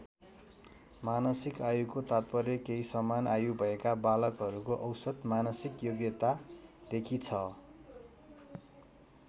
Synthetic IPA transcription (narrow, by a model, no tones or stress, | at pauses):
manʌsikajuɡkːot̪at̪̚pʌrjʌkeisʌmanajubʱʌekabalʌkɦʌɾukoʔʌwsʌd̪manʌsikjoɡjʌt̪ad̪̥ekʰit͡sʰʌ